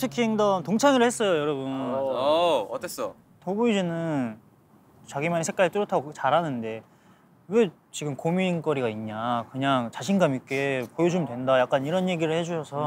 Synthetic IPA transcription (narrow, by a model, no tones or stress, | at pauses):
tʰɯkʰiŋdʌntoŋt͡ɕʰaŋiɾɯɭhes͈ʌjojʌɾʌbun | ʌt̪͈ʰes͈ʌ | toɡuid͡ʑinɯn | t͡ɕaɡimaɲisʰek͈aɾit͈ɯɾjʌtʰaɡokt͡ɕaɾɦanɯnde̞ | we | t͡ɕiɡɯmkomink͈ʌɾiɡaiɲːakɯɲaŋt͡ɕaɕʰinɡamik͈e̞pojʌd͡ʑumdwe̞ndajak͈aniɾʌnje̞ɡiɾɯɭhe̞d͡ʑuɕʰʌsʰʌ